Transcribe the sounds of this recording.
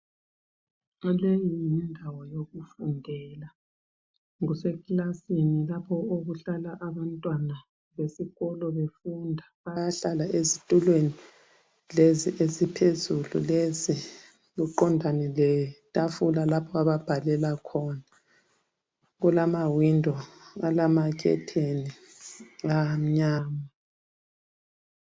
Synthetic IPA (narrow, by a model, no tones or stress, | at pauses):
ɔlejjindʱawɔjoɣufundʱɛla | ŋusɛkʼlasinilapʰɔoɣuɬalaʔaβantʼwana | βesiɣɔlɔβefundʱaβajaɬalaʔezitʼulweni | leziʔezipʰezulṵlezi | ɣuǃɔndʱanɛlɛtʼafulalapʰɔaβab̥ʱalɛlakʰɔna | ɣulamawindʱɔɣalamakʰɛ̰tʰeni | ɣam̩ɲaːŋa